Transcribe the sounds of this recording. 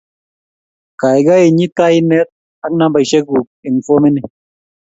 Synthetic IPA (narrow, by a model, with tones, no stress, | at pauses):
ka˨jɡa˦e˨ɲi˦ta˦i˦nɛ˦t̪̚ | a˦k̚na˦ba˨jʃɛ˦ku˨k̚e˨ŋ˨fo˦me˦ni˨